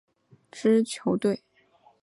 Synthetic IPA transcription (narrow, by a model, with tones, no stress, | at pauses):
ʈ͡ʂɻ̩˥t͡ɕʰjo˧˥ʊt̪we˥˩ɪ